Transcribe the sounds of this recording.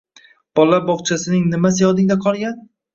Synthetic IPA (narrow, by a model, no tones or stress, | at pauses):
b̥ɒlːabɒχt͡ʃʰasɪnɪŋnɪmasɪjɒd̪ɪŋd̪aqʰɒlˠɡʲan